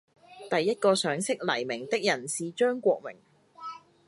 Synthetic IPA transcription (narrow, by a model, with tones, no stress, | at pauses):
t̪ɐ˨jːɐ˥t̚kɔː˧sœː˨˥ŋsɪ˥k̚lɐ˨˩jmɪ˨˩ŋt̪ɪ˥k̚jɐ˨˩nsiː˨t͡ʃœː˥ŋkʷɔː˧k̚mɪ̰˨˩ŋ